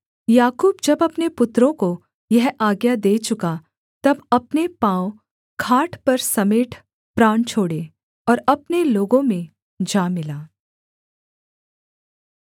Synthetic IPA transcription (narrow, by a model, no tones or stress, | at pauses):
jaːkuːbd͡ʒɐbɐpnepʊt̪ɾõko | jɐɦaːɡjad̪eːt͡ʃʊka | t̪ɐbɐpnepãːõ | kʰaːʈʰpɐɾsɐmeːʈʰ | pɾãːɳt͡ʃʰoːɽe | ɔːɾɐpneloːɡõmẽ | d͡ʒaːmɪlaː